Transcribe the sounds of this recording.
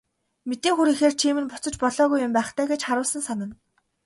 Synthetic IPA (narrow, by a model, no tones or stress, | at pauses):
met̪eːŋxuɾiːxeːrt͡ɕʰiːmɘ̆npʊt͡sɞ̆t͡ɕpɔɮɔːɣujːʊmpæːχt̪ʰæːɡet͡ɕχaɾʊːɮsə̆nsanə̆n